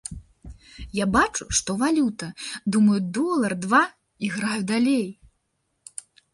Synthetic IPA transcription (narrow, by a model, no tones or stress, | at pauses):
jabat͡ʂuʂt̪ɔvalʲut̪ɐd̪umɐjud̪ɔlˠɐrd̪va | iɣɾajud̪alʲej